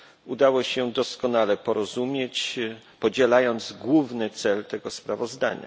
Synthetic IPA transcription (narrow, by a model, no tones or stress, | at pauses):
ud̪awɔɕɛd̪ɔskɔnalɛpɔɾɔzumʲjet͡ɕ | pɔd͡ʑɛlajɔnd̪zɡwuvnɘt̪sɛlt̪ɛɡɔspɾavɔzd̪a̰ɲa̰